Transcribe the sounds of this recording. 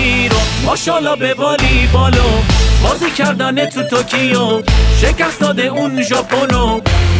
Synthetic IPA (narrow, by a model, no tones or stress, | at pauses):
iɾomɔʃɔlɒbebɒlibɔlobɔːzicʰæɾd̪ænet̪ʰut̪ʰokʰijoʃecæsd̪ɒd̪eunʒɔpʰono